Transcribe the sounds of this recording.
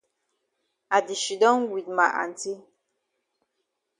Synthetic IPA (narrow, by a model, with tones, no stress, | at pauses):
a˨di˨ʃi˨dɔ˦ŋɡwi˨t̚ma˨ʔa̰˨n˨ti˦